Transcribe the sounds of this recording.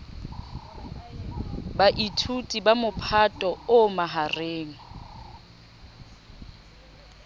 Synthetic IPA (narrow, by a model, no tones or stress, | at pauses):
baʔitʰutʼibamʊpʰatʼɔʊmaɦareːŋ̩